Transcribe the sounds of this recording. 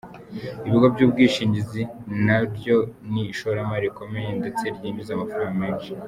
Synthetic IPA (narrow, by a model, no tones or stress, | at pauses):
iβiɡobɟuːb̚ɡiːʃiːɲɟizinaɾjo̞niʃoɾamaɾiko̞me̞jendet͡seɾjiːmizamafɾaɡameːnʃi̥